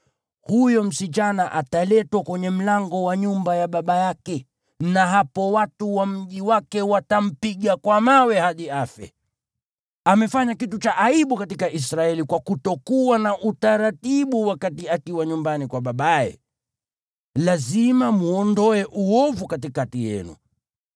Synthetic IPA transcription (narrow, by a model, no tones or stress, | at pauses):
hujɔm̩sit͡ʃanaʔatalɛtwakwɛɲɛm̩laŋɡɔwaɲumbajaɓaɓajakɛ | naɦapɔwatuwam̩ʄiwakɛwatam̩piɠakwamawɛhaɗiafɛ̰ | amɛfaɲakitut͡ʃaʔaiɓukatikaʔisɾaɛlikwakutɔkuwanaʔutaɾatiɓuwakatiakiwaɲumbanikwaɓaɓaɛ̰ | lazimamuɔndɔɛʔuɔvukatikatijɛ̰nṵ